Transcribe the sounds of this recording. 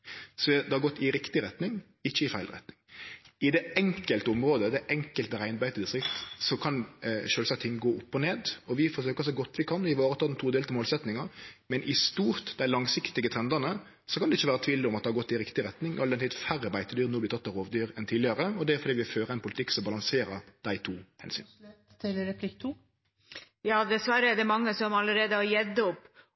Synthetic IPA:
sɔɛd̪ɛhɑɾɡɔt̪ːɪɾɪkt̪ɪɾɛt̪nɪŋ | ɪçːəɪfæɪlɾɛ̰t̪nɪŋɪd̪ɛɛŋkəlt̪əʊmɾoːd̪əd̪ɛʔɛŋkəlt̪əɾæɪnbæɪt̪əd̪ɪsʁɪkt̪sɔkʰɑnʃøːlsɑkt̪ʰɪŋːɡoːɔpːɔneːd̪ɔʋɪfɔsøːkəsɔɡɔt̪ːʋɪkʰɑnɪʋɑːɾət̪ʰɑːd̪ɛnt̪ʰuːd̪eːlt̪əmoːlsɛt̪nɪŋɑmɛnʔɪst̪uːɾt̪d̪æɪlɑŋsɪkt̪ɪɡət̪ʰɾɛnd̪ənə | sɔkʰɑnd̪ɛɪçːəʋæːɾət̪ʰʋiːlɔmɑt̪̚ɛhɑɾɡɔt̪ːɪɾɪkt̪ɪɾɛt̪nɪŋɔɑld̪ɛnt̪iːt̪fæɾəbæɪt̪əd̪yːɾnuːblɪt̪ɑt̪ːɑɾoːʋd̪yːɾɛnt̪ʰiːlɪɑɾəɔd̪ɛæɾfɔd̪iːʋɪføːɾəɛɪnpʊlɪt̪ʰɪkːsɔmbɑlɑŋseːɾəɾd̪̥æɪt̪ʰuːhɛ̰nsy̰ːn | t̪ɪlɾɛpʰlɪkt̪ʰuː | jɑːd̪ɛsʋɑɾəɛd̪ɛmɑŋːəsɔmɑləɾeːd̪əhɑɾjɛd̪ːəɔpː

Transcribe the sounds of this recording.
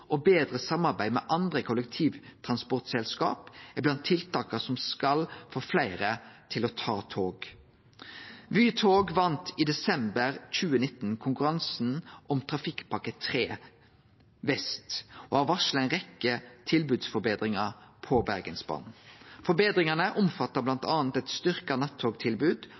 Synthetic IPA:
ʔɔbeːd̪ʁəsɑmːɑʁbæɪmɛːʔɑnd̪ʁəkʰʊlək̚t̪ʰiːʋt̪ʰʁɑnspɔʁt̪sɛlskɑ̰ːpɪblɑnt̪ʰːɪlt̪ʰɑːkəsɔmskɑlfoːflæɪʁət̪ʰɪlot̪ʰɑːt̪ʰoːɡ | ʋyːt̪ʰoːɡʋɑnt̪iːd̪ɛsɛmbəʁc͡çʉːənɪt̪n̩kʰʊŋkʉɾɑnsn̩ʔɔmt̪ʰʁɑfɪkpʰɑkət̪ʰʁeː | ʋɛst̪o̰ɑʋɑʃl̩æɪnʁɛkːət̪ʰɪlbʉːd̪sfɔɾbeːd̪ʁɪŋəpʰɔbæʁɡənsbɑ̰ːnn̩fɔɾbeːd̪ʁɪŋɑnəʔʊmfɑt̪ːəblɑnt̪ʰɑːnt̪ɛt̪st̪ʏʁkənɑt̪ʰːoːɡt̪ʰɪlbʉːd̪

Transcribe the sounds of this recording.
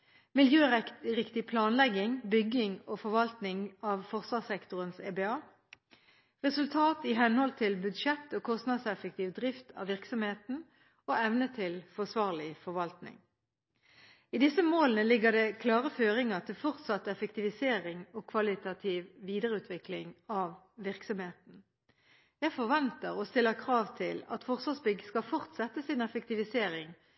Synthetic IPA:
mɪljøːʁɛʁɪkt̪ɪpʰlɑːnlɛɡɪŋbʏɡɪŋoːfɔʁʋɑlt̪nɪŋɑːʋfɔʁsʋɑːsɛkt̪ʊʁənsḛːbeːɑː | ʁɛsʉlt̪ʰɑːt̪ɪɦɛnhɔlt̪ʰɪlbʉd̪ʃɛt̪ːoːkʰɔst̪nɑd̪sɛfɛk̚t̪iːʋd̪ʁɪft̪ʰɑ̰ʋɪʁksɔmheːt̪n̩ | oːɛʋnət̪ʰɪlfɔʁsʋɑːʁlɪfɔʁʋɑlt̪nɪ̰ŋ | iːd̪ɪsəmoːlənəlɪɡːəʁd̪ɛkʰlɑːʁəføːʁɪŋəʁt̪ʰɪlfɔʁt̪sɑt̪ɛfək̚t̪ɪʋɪseːʁɪŋɔːkʰʋɑlɪt̪ɑt̪ʰiːʋʋiːd̪əʁəʉːt̪ʰʋɪklɪŋɑʋ | ʋɪʁksɔmheːt̪n̩ | jæɪfɔʁʋɛnt̪əʁɔst̪ɪlːəkʰʁɑːʋt̪ʰɪlɑ̰t̪fɔʁsʋɑsbʏɡəskɑfɔʁt̪sɛt̪ːəsɪnɛfək̚t̪ɪʋɪseːʁɪŋ

